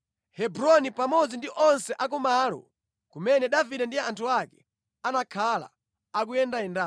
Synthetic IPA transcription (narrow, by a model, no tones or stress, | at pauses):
hɛbɾɔnipamɔd͡zindiʔɔnsɛʔak̬umalɔ̰ | kumɛnɛɗaviɗɛndiantʰuakɛ̥ | anakʰala̰ | ak̬ujɛndaɛnda